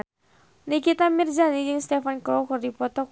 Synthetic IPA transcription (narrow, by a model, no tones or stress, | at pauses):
nikit̪amird͡ʒanijɨŋst̪ɛfankɔkɔrdipɔt̪ɔk